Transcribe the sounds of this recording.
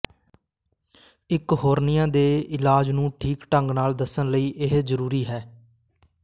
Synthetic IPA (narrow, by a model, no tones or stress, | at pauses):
ɪkɦoːɾnɪjãːd̪eːɪlaːd͡ʒnũːʈʰiːkʈəŋɡnaːld̪əsənləiːʔɪɦzəɾuːɾiːɦɛː